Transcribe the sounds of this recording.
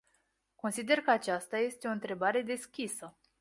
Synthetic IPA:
ko̞nsid̪e̞rkəat͡ʃast̪aje̞st̪eo̞ɨnt̪ɾe̞baɾe̞d̪e̞skʲisə

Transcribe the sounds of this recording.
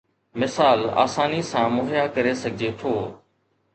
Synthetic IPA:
mɪsaːla̰ːsaːnisãːmʊːɦjaːkəɾesəɡʱɪd͡ʒeːt̪ʰoː

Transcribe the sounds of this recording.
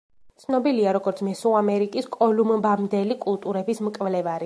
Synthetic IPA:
t̪sʰnɔbiliaɾɔɡɔɾt̪sʰmɛsuamɛɾikʼiskʼɔlumbamd̪ɛlikʼulˠt̪ʼuɾɛbismkʼvlɛvaɾi

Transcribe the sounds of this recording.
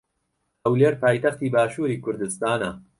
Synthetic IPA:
hɐwleːɾpaːjt̪ɐxt̪iːbaːʃuːɾiːkʰʊɾd̪ɨst̪aːnɐ

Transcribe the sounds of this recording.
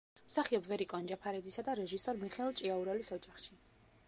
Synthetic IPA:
msaχiɔbvɛɾikʼɔnd͡ʒapʰaɾɛd̪zisad̪aɾɛʒisɔɾmiχɛɛlˠt͡ʃʼiauɾɛlisɔd͡ʒaχʃi

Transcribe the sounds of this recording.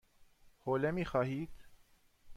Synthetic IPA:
hoːlɛmiːxaːhiːt̪

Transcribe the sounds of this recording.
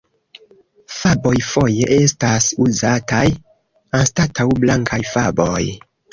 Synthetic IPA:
fabo̞jfo̞je̞ʔe̞stasuzataj | anstatʰawblaŋkʰajfabo̞j

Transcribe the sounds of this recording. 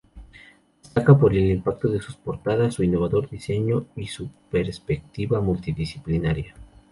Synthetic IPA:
est̪akapo̞ɾelimpak̚t̪oðe̞suspo̞ɾt̪aðasːuinːo̞β̞aðo̞ɾðise̞ɲo̞isupe̞ɾspek̚t̪iβamult̪iðisiplinaɾja

